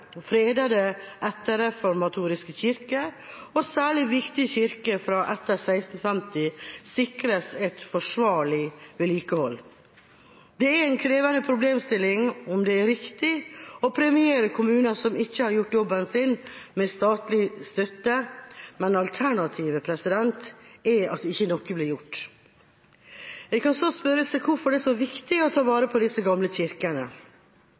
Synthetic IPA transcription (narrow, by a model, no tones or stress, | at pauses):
fɾeːd̪ɑd̪əʔɛt̪ːəɾɛfɔɾmɑt̪ʰuːɾɪskəçɪɾkəɔsæːɭɪʋɪkt̪ɪçɪɾkəfɾɑːʔɛt̪ːəɾsæɪst̪ən̩fɛmt̪ɪsɪkɾəsɛt̪fɔʂʋɑːɭɪʋɛliːkəhɔlː | d̪ɛæɾæɪnkʰɾeːʋɑnəpʰɾʊbleːmst̪ɪlːɪŋɔmd̪ɛːɾɪkt̪ɪɔpʰɾɛmɪeːɾəkʰʊmʉːnɑsɔmɪçːəhɑɾjʊʈːjɔbːənsɪnmɛst̪ɑːt̪lɪst̪œt̪ːəmɛnɑlt̪ʰæɳɑt̪ʰiːʋəpʰɾɛsɪd̪ɛnt̪ɛɑ̰t̪̚ɪçːənɔkːəblɪɾjʊʈː | jɛɪkɑnsoːspœɾəsɛkʰʊɾfɔɖɛsɔʋɪkt̪ɪɔt̪ʰɑːʋɑːɾəpʰɔd̪ɪsəɡɑmləçɪɾkənə